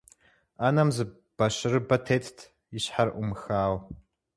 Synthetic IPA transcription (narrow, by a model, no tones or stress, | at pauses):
anamzɨ | b̥aʃʷɨrɨbatʰetʰtʰ | iʃħarʔumxaːw